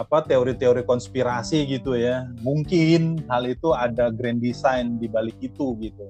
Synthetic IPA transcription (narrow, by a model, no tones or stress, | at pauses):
apat̪eoɾit̪eoɾikɔnspiɾasiɡit̪ujamuŋkɪnɦalit̪uadaɡɾɛndisajndibalɪkit̪uɡit̪u